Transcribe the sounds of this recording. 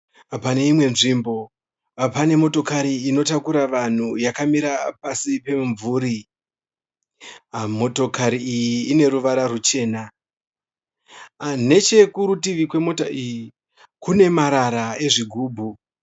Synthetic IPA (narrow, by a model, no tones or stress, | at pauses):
pane̞imwe̞nʐimbo̞ | pane̞mo̞to̞kaɾiːno̞takuɾaʋan̤ujakamiɾapasipe̞ɱvuːɾi | mo̞to̞kaɾiijiːne̞ɾuʋaɾarut͡ʃe̞ːna | ne̞t͡ʃe̞kuɾutiʋikwe̞mo̞taʔiji | kune̞maɾaɾae̞ʐiɡʱuːbʱu